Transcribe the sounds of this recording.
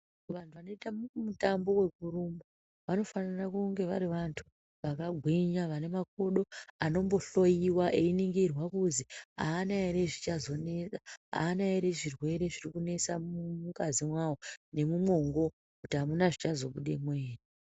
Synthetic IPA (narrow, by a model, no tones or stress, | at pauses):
ʋantʰuʋano̞itamutambo̞we̞kuɾumo | ʋano̞fanirakuŋɡe̞ʋaɾiʋantʰu̥ | ʋakaɡʱwiɲaʋane̞mak̚o̞ɗo̞ano̞mbo̞ɬo̞jiwaʔeiniŋɡirwakuzia̰ːnaeɾe̞ʐit͡ʃazo̞ne̞t͡saa̰ːnaeɾe̞ʐirwe̞ɾe̞ʐirikune̞t͡samuuukazimwawone̞mumo̞ŋɡo̞ | kutiɦamunaʐit͡ʃazo̞ɓuɗe̞mweːne